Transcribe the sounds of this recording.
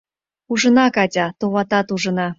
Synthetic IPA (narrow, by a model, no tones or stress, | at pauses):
uʒə̆nɑkɑtʲɑt̪oβɑt̪ɑt̪uʒə̆nɑ